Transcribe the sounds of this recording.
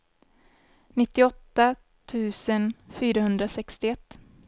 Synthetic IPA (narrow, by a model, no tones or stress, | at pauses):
nɪt̪ːɪɔt̪ːa | t̪ʰʉ̟ːsənfyːɾaɦɵnd̪ɾasɛkst̪ɪɛt̪ː